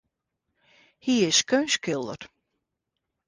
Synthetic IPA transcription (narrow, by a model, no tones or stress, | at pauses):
hiɪskøːnskɪlˠdə̰r